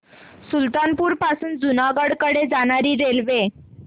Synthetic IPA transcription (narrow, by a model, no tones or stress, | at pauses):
sult̪anpuːɾpasuːnd͡zunaɡəɽkəɽed͡zaɽ̃aɾiːɾelʋe